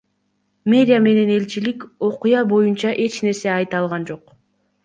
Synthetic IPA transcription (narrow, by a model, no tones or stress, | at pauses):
mʲe̞ɾʲɪjame̞ne̞ne̞lt͡ʃilikʲo̞qujɑbo̞junt͡ʃɑʔe̞t͡ʃne̞ɾse̞ɑjt̪ɑlˠʁɑnd͡ʒo̞q